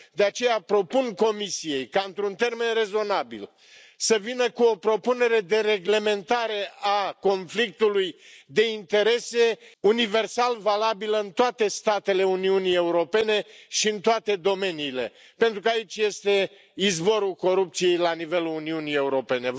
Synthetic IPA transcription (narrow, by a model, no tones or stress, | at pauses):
d̪e̞at͡ʃe̞japɾo̞punko̞misije̞jkaɨnt̪ɾunt̪e̞rme̞nre̞zo̞nabḭl | səvinəkuo̞pɾo̞pune̞ɾe̞d̪e̞ɾe̞ɡle̞me̞nt̪aɾe̞ako̞nflik̚t̪ulujd̪e̞int̪e̞ɾe̞se̞unive̞rsalvalabiləɨnt̪oat̪e̞st̪at̪e̞le̞uniunije̞uɾo̞pe̞ne̞ʃiɨnt̪oat̪e̞d̪o̞me̞niːle̞̰ | pe̞nt̪ɾukəait͡ʃʲje̞st̪e̞ | izbo̞ɾulko̞ɾup̚t̪sije̞jlanive̞luluniunije̞uɾo̞pe̞ne̞